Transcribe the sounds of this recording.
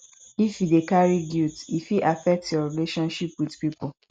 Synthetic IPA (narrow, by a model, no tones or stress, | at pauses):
ifidekaɹiɡjutifiʔafɛk̚tjɔɹileʃɔ̃nʃipwidpipu